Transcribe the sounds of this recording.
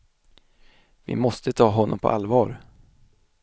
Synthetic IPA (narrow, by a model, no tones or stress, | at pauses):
vɪ̰mɔst̪ət̪ʰɑːɦɔnːɔmpʰɔ̰ʔalvɑːɾ